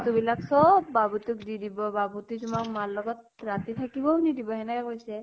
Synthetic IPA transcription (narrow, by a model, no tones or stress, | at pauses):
t̪ubilaksɔbːabut̪ukdidibɔbabut̪itumakmalːɔɡɔt̪̚ | ɹat̪it̪ʰakibɔunidibɔɦɛnakɛkojsɛ